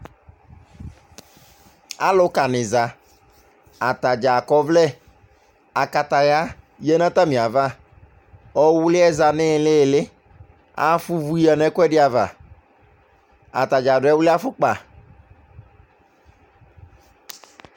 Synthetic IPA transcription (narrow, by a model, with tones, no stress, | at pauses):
a̰˦lʊ˦ka˨nɪ˨za˨ | a˨t̪a˨d͡ʒa˨kɔ˦vlɛ˦ | a˨ka˨ta˨ɣa˦ | jɛ˦nã˦t̪a˦mĩ˨a˨va˦ | ɔ˦wʊ˦lɪ˦ɛ˦za˨nɪ˦˨lɪ˦˨lɪ˦ | a̰˦fʊ˦vu˦i˦a˨nɛ˦kʷɛ˦dɪ˦a˨va̰˨ | a̰˨ta˨d͡ʒa˨dʊ˨˦ɛ˦wʊ˦lɪ˦a˦fʊ˦k͡pa˨